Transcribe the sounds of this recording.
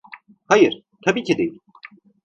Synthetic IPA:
hajɯɾ̥ | t̪ʰabiːcʰid̪ejilʲ

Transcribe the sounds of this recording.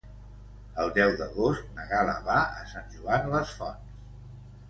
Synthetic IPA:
əlˠd̪ɛwðəɣost̪̚nəɣalə̰βaʔəsanʲʒuanləsfɔns

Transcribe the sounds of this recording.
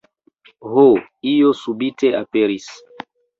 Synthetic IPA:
ɦoijosubiteapeɾis

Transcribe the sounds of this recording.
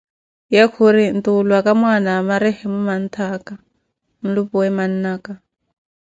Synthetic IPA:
jakʰuɾin̩tulwakamwanaːmaɾɛhɛmuman̩tʰaka | n̩lupɔwɛman̩naːka

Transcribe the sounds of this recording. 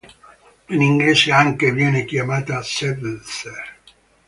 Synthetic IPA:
iniŋɡlɛːseaŋkevjɛːnek̟jamaːt̪asɛvlse

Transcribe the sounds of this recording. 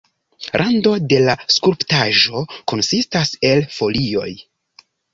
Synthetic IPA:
ɾʔando̞de̞laskuɾptaʒo̞ko̞nsistase̞lfo̞lio̞j

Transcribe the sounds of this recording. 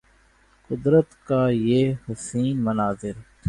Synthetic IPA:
kʊd̪ɾət̪kaːjeːhʊsiːnmɐnaːzɪɾ

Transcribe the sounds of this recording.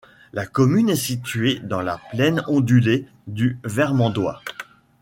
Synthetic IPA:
lakɔmynɛsit̪ɥed̪ɑ̃la̰plɛnɔ̃d̪yle | d̪yvɛʁmɑ̃d̪wa̰

